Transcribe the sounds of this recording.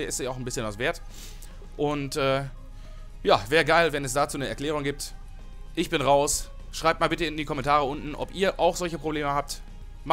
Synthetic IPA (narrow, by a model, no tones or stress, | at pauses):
ɪstiaʊxn̩bɪsçənasv̥eːɐt | ʔʊntɛː | jaːvɛːɐɡaɪlvɛnɛsd̥aːt͡suːnəɛɐkl̥ɛːʁ̞ʊŋɡiːp̚t | ʔɪçb̥ɪnʁaʊs | ʃʁ̥aɪp̚tmaːlbɪtəɪndiːkɔmɛntʰaːʁəʊntn̩ʔɔ̰pʔiːɐʔaʊxzɔlçəpʁ̥obleːməhaːp̚t | m